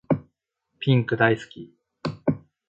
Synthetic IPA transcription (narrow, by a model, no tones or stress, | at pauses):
pʲĩŋkɯ̟d̪aisɨ̥kʲi